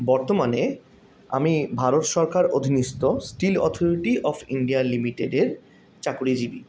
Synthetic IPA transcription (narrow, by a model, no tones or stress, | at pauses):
bɔɾt̪omane | a̰mibʱaɾot̪ʃɔɾkaɾod̪ʱinist̪osʈilɔ̰t̪ʰoɾiʈiʔɔfʰḭɳɖialimiʈeɖeɾ | t͡ɕakuɾid͡ʑibi